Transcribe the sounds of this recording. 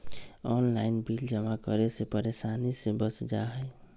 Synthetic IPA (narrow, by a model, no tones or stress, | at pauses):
ɔnlainbild͡ʒəmakəɾesepəɾesanisẽbəsd͡ʒaɦəj